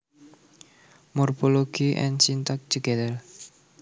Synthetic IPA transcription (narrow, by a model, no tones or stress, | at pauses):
mɔrpoloɡ̥iʔɛ̰nt͡ʃint̪ak̚t̪uɡɛd̪ər